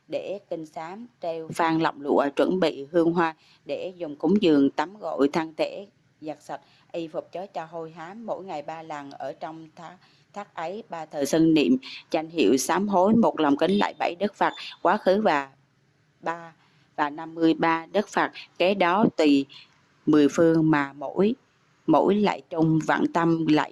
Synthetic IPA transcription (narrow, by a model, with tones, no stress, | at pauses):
ɗe˧˩t̪ï˧ŋ̟saː˨˦mt̪e˧wfaː˧ŋlə̰˧˨wŋ͡mlṵ˧˨ət͡ɕwə̰˧˩nɓḭ˧˨hɨ˧əŋɦwaː˧ | ɗe˧˩zʊ˨˩ŋ͡mkʊ˨˦ŋ͡mzɨ˨˩əŋt̪a˨˦mɣo̰˧˨jt̪ʰaː˧ŋt̪ʰe˧˩˥ | zaː˨˩k̚sə˨˩t̚ | ʔi˧fʊ˨˩k͡p̚t͡ɕə˨˦t͡ɕɔ˧ɦo˧jɦaː˨˦mːo̰˧˥˨jŋa˨˩jɓaː˧la˨˩nʔəː˧˩t͡ɕɔ˧wŋ͡mt̪ː | t̪ʰaː˦˥k̚ʔə˨˦jɓaː˧t̪ʰəː˨˩sə˧nnḭ˧˨əmza˧jŋ̟ɦḭ˧˨əwsaː˨˦mɦo˨˦jmo˨˩t̚lɔ˨˩wŋ͡mki˨˦ŋla̰ː˧˨jɓa̰˧˩jɗə˦˥k̚faː˨˩t̚kwaː˨˦xɨ˨˦vaː˨˩ | ɓaː˧ | vaː˨˩na˧mːɨ˧əjɓaː˧ɗə˦˥k̚faː˨˩t̚kɛ˨˦ɗɔ˨˦t̪i˨˩ | mɨ˨˩əjfɨ˧əŋmaː˨˩mo̰˧˥j | mo̰˧˥jla̰ː˧˨jt͡ɕʊ˧ŋ͡mva̰ː˧˨nt̪ə˧mla̰ː˧˨j